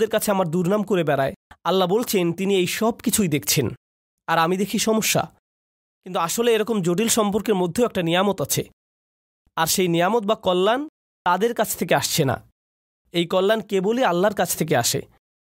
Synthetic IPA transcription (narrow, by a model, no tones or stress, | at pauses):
d̪eɾkat͡ɕʰeamaɾd̪uɾnamkoɾebɛɾaealːabolt͡ɕʰent̪iniejʃɔb̚kit͡ɕʰujd̪ekʰt͡ɕʰen | aɾamid̪ekʰiʃɔmoʃːa̰ | kint̪uaʃoleeɾɔkomd͡ʑoʈ̬ilʃɔmpoɾkeɾmod̪ʱːeoɛk̚ʈanijamot̪at͡ɕʰe | aɾʃejnijamot̪̚bakɔlːan | t̪ad̪eɾkat͡ɕʰt̪ʰekeaʃt͡ɕʰena̰ | ejkɔlːankebolealːaɾkat͡ɕʰt̪ʰek̬eaʃḛ